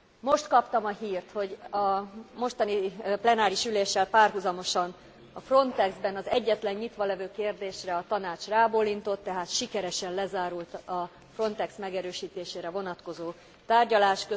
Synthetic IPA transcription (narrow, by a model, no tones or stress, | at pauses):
mo̞ʃt̪kɒpt̪ɒmɒɦiːrt̪ho̞ɟɒmo̞ʃt̪ɒniplɛnaːɾiʃyleːʃːɛlpaːrɦuzɒmo̞ʃɒn | ɒfro̞nt̪ɛɡzbɛnɒzɛɟːɛt̪lɛɲːit̪ʋɒlɛvøːkeːrd̪eːʃrɛɒt̪ɒnaːt͡ʃraːbolːint̪o̞t̪ːɛɦaːt̪ʃikɛɾɛʃɛnlɛzaːɾult̪ɒ | fro̞nt̪ɛksmɛɡɛɾøːʃiːt̪eːʃeːɾɛvo̞nɒt̪ko̞zoː | t̪aːrɟɒlaːʃkø